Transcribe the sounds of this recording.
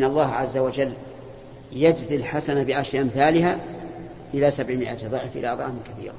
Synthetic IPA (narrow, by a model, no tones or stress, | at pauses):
nːɑlˤːɑːɦʕazːawad͡ʒalː | jad͡ʒzɪlħasanabɪʔaʃaʔamθaːlɪɦaː | ʔɪlaːsabʕmɪʔat̪ðˤɨʕfʔɪ̰laʔɑðˤɑ̰ʕmɪkaθḭːɾ